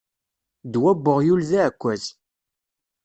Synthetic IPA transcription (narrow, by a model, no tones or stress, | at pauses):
d̪wæbːʊʁjulðæʕkʷːæz